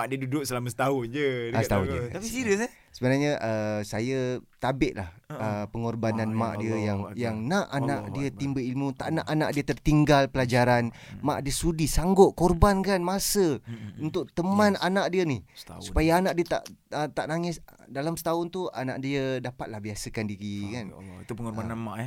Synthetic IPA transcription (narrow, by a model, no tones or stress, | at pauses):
maʔdiədudʊʔ̚səlamasə̥t̪aʊnd͡ʒət̪aʊd͡ʒ̪aisiɾəs | səbənaɲəʔəsajət̪abɪʔla̰h | əpəŋorbananmã̰ʔdiəjaŋjaŋnaʔanaʔdiət̪imbəilmut̪aʔnaʔana̰ʔdiət̪ərt̪iŋɡalpəlad͡ʒaɾan | ma̰ʔdiəsudisaŋɡʊʔkorbankanmasəunt̪ʊʔ̚t̪əmananaʔdiənihssupajaanaʔdiət̪a̰ʔət̪aʔnaŋɪs | dalamsə̥t̪aʊnt̪uana̰ʔdiədapat̪̚lahbiasəkandiɾikant̪upəŋɔrbananmaʔ